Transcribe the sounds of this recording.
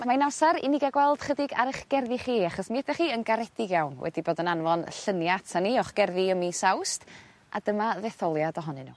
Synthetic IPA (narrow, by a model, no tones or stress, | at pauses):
amainasaɾḭnɪɡaɡwɛlˠd̥χədɪɡa̰ɾɪχɡ̥ɛrðiχiːaχɔsmiɛdɛχiːənɡaɾɛdɪɡjawnwɛ̰diboːdənanvɔnɬənjaatʰaniɔχɡ̥ɛrðiəmisawst | a̰d̥əmaðɛθɔlˠjadɔɦɔnɨnṵː